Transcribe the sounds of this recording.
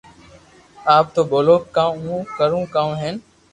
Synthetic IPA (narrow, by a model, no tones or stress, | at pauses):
aːp̚t̪oːboːloːkːãːũːkəɾũːkãːũːɦeːn